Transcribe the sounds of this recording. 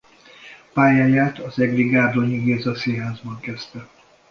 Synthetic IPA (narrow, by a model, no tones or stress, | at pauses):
paːjaːɲaːt̪ɒzɛɡliɡaːrd̪oɲiɡeːzɒsinɦaːzbɒŋkɛst̪ɛ